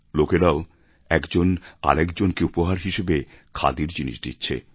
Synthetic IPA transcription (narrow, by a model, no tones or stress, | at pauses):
lokeɾao | ɛkd͡ʑona̰ɾɛkd͡ʑonkeupoɦaɾɦiʃebekʰa̰d̪iɾd͡ʑinḭʃd̪ḭtːɕʰḛ